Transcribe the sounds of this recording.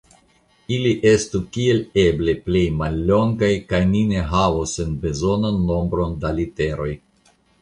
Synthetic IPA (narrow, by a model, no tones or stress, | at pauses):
iliʔe̞stukie̞le̞ble̞ple̞jmalːo̞ŋɡajkajnine̞ɦavosːenbe̞zo̞nanːo̞mbɾo̞ndalite̞ɾo̞j